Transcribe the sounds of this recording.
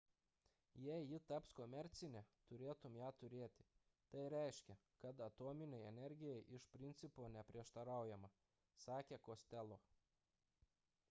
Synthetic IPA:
jɛɪjɪt̪ɐpskomʲɛɾʲt̪sʲɪnʲɛt̪ʊɾʲeːt̪ʊmjæːt̪ʊɾʲeːt̪ʲɪ̥ | t̪ɐɪɾʲɛɪʃʲkʲɛkɐt̪ɐt̪oːmʲɪnʲɛɪɛnʲɛɾʲɡʲɪjɛɪʔɪʃpʲɾʲɪnʲt̪sʲɪpoːnʲɛpʲɾʲiɛʃt̪ɐɾɑˑʊjɛmɐ | sɑːkʲeːkoːsʲt̪ʲɛlˠoː

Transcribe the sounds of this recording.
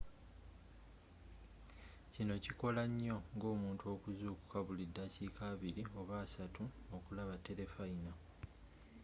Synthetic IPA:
cino̞ciko̞laɲːo̞ŋɡo̞ːmuːntuo̞ːkuzuːku̥kaβulidːaciːkʰaːβiɾio̞βaːsatuokulaβatːe̞ɾe̞faina

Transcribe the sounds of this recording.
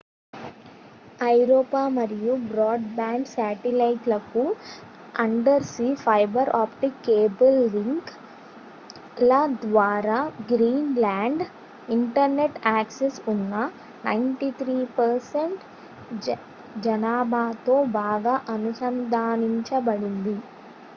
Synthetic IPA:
ɐjɾoːpaːmɐɾijubɾaːɖbaːɳɖsaːʈilɐjʈlɐku | ɐɳɖɐɾsipʰɐjbɐɾʔaːpʈikeːbɐlːiŋk | lɐd̪ʋaːɾaːɡɾiːnlaːɳɖ | iɳʈɐɾneʈaːksesunːɐ | nɐjɳʈit̪ʰɾiːpɐɾseɳʈ | d͡ʒɐnaːbʱaːt̪o̞ːbaːɡaːʔɐnusɐnd̪ʱaːniɲt͡ʃɐbɐɽind̪i

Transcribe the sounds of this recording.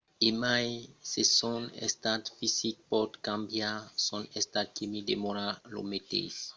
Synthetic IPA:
emajsesɔ̃nḛst̪at̪fisik̚pɔd̪kãmbjasɔ̃nest̪ad̪̚kimid̪emɔɾalo̰met̪ḛs

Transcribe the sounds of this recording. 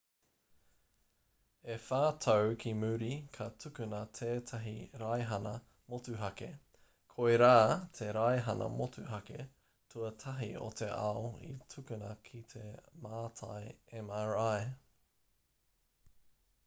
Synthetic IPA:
efaːtʰɐwkʰimʉɾikʰɐtʰʉkʉnɐt̪ʰeːtʰɐɦiɾajɦɐnɐ | motʉɦɐke | kʰoeɾaːt̪ʰeɾajɦɐnɐ̰motʰʉɦɐke | tʰuɐtʰɐɦio̰t̪ʰḛʔɐoḭtʰʉkʉnɐkʰit̪ʰe̞maːtʰa̰jɛmɛɹaj

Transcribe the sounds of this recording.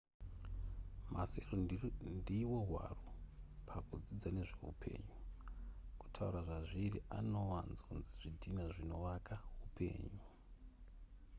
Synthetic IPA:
maserondiwo̞ɦwa̰ropʰakud͡zid͡zane̞ʐe̞ɦṵpʰe̞̰ːɲu | ku̥tʰaṵɾaʐaʐiriʔa̰no̞ʋanzonziʐ̥idʱinaʐino̞ʋakaɦupʰe̞̰ːɲu

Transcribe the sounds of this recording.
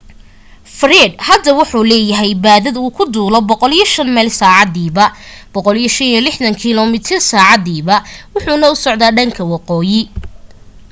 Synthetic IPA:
frɛɖhɐd̪ɐwʊħuːlɛːjɐɦɛjbaːðɐðuːkʰʊd̪uːlɔbɔqɔlijɐʃɐnmɛːlsaːʕɑðiːβɐb̥ɔqɔlijɐʃɐnjilɪħðɐŋkʰɪlɔmɪt̪ʰɪrsaːʕɑðiːβɐwʊħuːnɐʊsɔʕd̪aːɖɐŋkʰɐwɑqɔːjɪ

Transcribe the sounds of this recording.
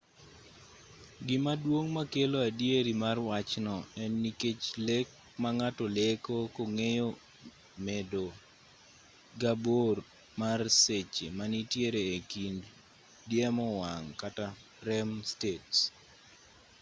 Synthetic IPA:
ɡɪmadwoŋmakeloadjeɾimarwat͡ʃnɔɛnːiket͡ʃlek̚ | maŋatɔlekokoŋejo | medo | ɡabor | marset͡ʃḛmanitjeɾeːkind | djemɔwaŋkata | ɾɛmstets

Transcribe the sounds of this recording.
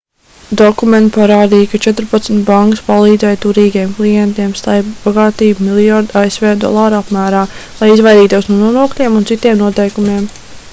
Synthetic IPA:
d̪ɔkument̪paɾaːd̪iːjkat͡ʃɛt̪ɾpat̪smʲt̪ʲbaŋkəspalˠiːd̪zɛjt̪uɾiːɡijɛmklˠijɛnt̪iɛmst̪ajpb̥aɡɑːt̪iːbumilˠjaɾd̪aesʋeːd̪ɔ̰lˠaːɾapmæːɾaːlˠajizvajɾiːt̪uɔsnuɔnuɔnuɔklʲiɛmuntsit̪iɛmnuɔt̪ɛjkumʲiɛm

